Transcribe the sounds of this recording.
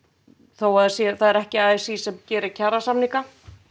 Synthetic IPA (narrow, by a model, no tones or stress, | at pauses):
θowaðsɛθaðɛɾɛhcɪaːsisɛmcɛːɾɪɾcʰaɾasamniŋka